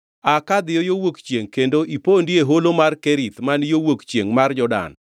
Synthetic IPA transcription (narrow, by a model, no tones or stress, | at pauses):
akad̪ɪjɔjowokt͡ʃjeŋkendoʔipondieɦolomarkeɾit̪manjowokt͡ʃjeŋmard͡ʒɔda̰n